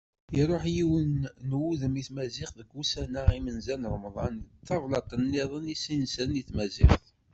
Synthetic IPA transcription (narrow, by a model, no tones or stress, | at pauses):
iɾˤoħjiwənːwuðəmiθmæzɪqðəɡːusænaimənzænɾˤəmðˤɑnθːɑvlɑt̪ˤənːɪðˤənisinsəniθmæzɪ̰χθ